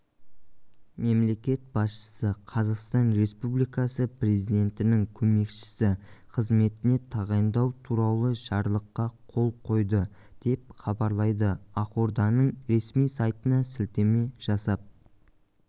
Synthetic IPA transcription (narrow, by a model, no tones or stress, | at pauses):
me̞mle̞kʲe̞t̪̚b̥ɑsʃə̥səqʰɑzɑqst̪ɑnɾe̞spublijkɑsəpre̞zid̪e̞nt̪ɪnɪŋkʲʰɵme̞kʃɪ̥sɪqʰəzme̞t̪ɪne̞t̪ʰɑʁɑjnd̪ɑwt̪ʰuɾɑlˠəʒɑɾlˠəqːɑqʰo̞lˠqʰo̞jd̪ə | d̪̥e̞p̚χɑbɑɾlˠɑjd̪əɑqoɾd̪ɑnəɴɾe̞smijsɑjt̪ənɑsɪlt̪eme̞ʒ̥ɑsɑp̚